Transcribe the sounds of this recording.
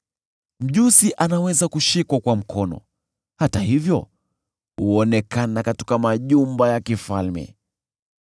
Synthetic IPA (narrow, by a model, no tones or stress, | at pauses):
m̩ʄusiʔanawɛzakuʃikwakwam̩kʰɔnɔ̰ | hatahivjɔ | huɔnɛkanakati̥kamaʄumbajakifalmɛ̰